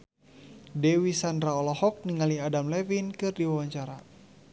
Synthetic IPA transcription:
dɛwisandɾaɔlɔhɔk̚niŋaliadamlɛwinkɨrdiwawaɲt͡ʃaɾa

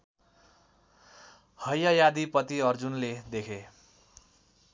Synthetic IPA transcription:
hʌjʌjad̪ipʌt̪iʌrd͡zunled̪ekʰe

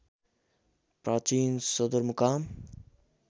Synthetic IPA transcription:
pɾaːt͡ʃiːnsɔd̪əɾmukaːm

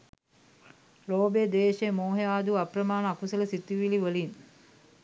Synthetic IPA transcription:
loːbed̪eːʃemoːɦejaːd̪uɐpɾɐmaːnəːkusɐlɐsit̪ːiʋiliʋəlin

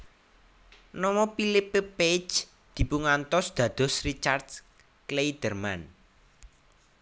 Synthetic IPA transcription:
nɔmɔpilɪpeped͡ʒ | d̪̥i̤puŋant̪ɔsd̪̥ä̤d̪̥ɔ̤srit͡ʃard̪̥ | klejd̪̥ərman

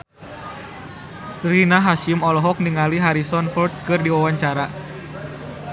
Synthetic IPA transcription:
rinaɦaʃimɔlɔɦɔk̚niŋaliɦaɾisɔnfɔrd̪̚kɨrdiwawaɲt͡ʃaɾa

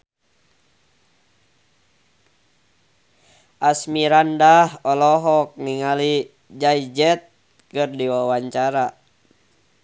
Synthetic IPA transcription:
ʔasmiɾandahɔlɔɦɔk̚niŋali | d͡ʒaid͡ʒɛt̪̚ | kɨrdiwawaɲt͡ʃaɾa

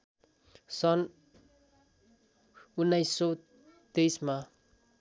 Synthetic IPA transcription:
sɔn | unajsow | t̪ejsma

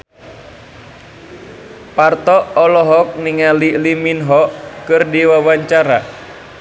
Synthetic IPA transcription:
part̪ɔɔlɔɦɔk̚niŋaliliminɦɔkɨrdiwawaɲt͡ʃaɾa̰

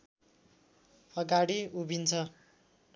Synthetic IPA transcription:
ʌɡaɽiubʱint͡sʰʌ

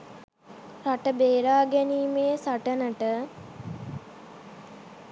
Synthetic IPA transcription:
ɾaʈəbeːɾaːɡɛniːmeːsaʈənəʈə

